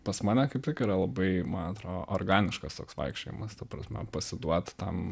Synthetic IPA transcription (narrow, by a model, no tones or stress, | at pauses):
pɐsmɑːnʲɛkɐɪptʲɪkiːɾɐlˠɐbɐɪmɐnɐt̪ɾoːʔorɡɑːnʲɪʃkɐst̪oːksʋɐ̰ɪkʃʲt͡ʃʲojḭmɐst̪ɐpɾɐsʲmʲɛ̰pɐsʲɪd̪uɔt̪t̪ɐm